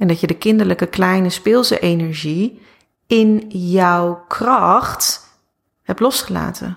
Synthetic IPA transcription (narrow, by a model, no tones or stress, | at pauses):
ɛndɑtjədəkɪndəɹləkəklɛjnəspɪːlˠsə̰ʔejnɛɹʒi | ɪnjɔwkrɑχt | hɛp̚tlɔsχəla̰ːtʰə̰n